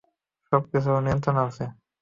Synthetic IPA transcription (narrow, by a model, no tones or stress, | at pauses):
ʃɔb̚kit͡sʰonijnt̪ɾonase